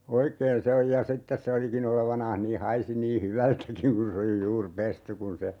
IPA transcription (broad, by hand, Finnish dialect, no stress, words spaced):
oikeːn se oj jɑ sitːes se olikin oleʋɑnɑːh niː hɑisi niː hyʋæltækiŋ kun se oli juːr pesty kun se